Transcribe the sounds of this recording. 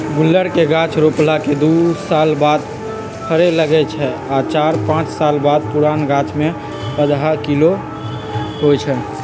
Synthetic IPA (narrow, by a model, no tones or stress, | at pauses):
ɡulːəɾkeɡãt͡ʃɾoplaked̪usalbad̪ | pʰəɾeləɡɛt͡ʃʰɛat͡ʃaɾpãt͡ʃsalbad̪̚puɾanɡat͡ʃme | pəd̪ɦakilo | ɦojt͡ʃʰɛ